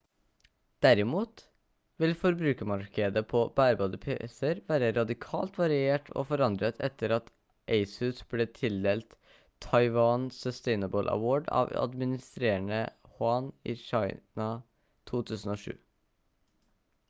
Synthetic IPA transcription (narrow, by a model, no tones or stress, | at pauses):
d̪̥æɾɪmuːt̪ | ʋɪlfɔɾbɾʉːkəmɑɾkəd̪əpʰɔbæːɾbɑːd̪əpʰḛsəɾʋæːɾəɾɑd̪ɪkʰɑːlt̪ʋɑɾɪeːʈʰo̰ːfɔɾɑnd̪ɾət̪ʰɛt̪ːəɾɑt̪ | ʔeɪsʉsb̥leːt̪ʰɪld̪eːlt̪ʰː | ɑɪʋɑːnsœst̪ɛɪnəbəlʔɑ̰woːɖɑ̰ːʋɑ̰d̪mɪnɪst̪ɾeːəɳəhʊɑːnḭːʃɑɪnɑ | t̪ʰuːt̪ʰʉːsən̩oːʂʉ̰ː